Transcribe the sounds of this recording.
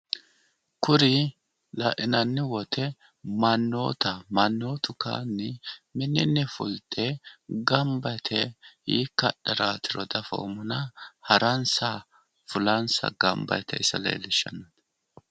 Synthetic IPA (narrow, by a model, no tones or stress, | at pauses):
kʊɾɪ | lɐʔɪnɐnːɪwɔt̪ʰɛ | mɐnːo̰ːt̪ɐmɐnːo̞ːt̪ʊka̰ːnːɪmɪnːɪnːɛfʊ̰lt̪ɛɡɐmbɐjt̪ʰɛhiːkːɐɗɛɾaːt̪ɪɾɔd̪ɐfo̰ːmʊnɐhɐɾɐnsɐ | fʊlɐnsɐ̰ɡɐmbɐ̰jt̪ʰɛ̰ɪsɐlḛːlɪʃːɐ̰nɐt̪